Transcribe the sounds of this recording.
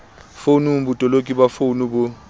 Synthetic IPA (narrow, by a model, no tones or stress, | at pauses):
fonumbutʼɔlokʼibafonuɓu